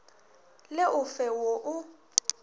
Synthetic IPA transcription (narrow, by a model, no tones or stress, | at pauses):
lɪʔʊfɛwoʔʊ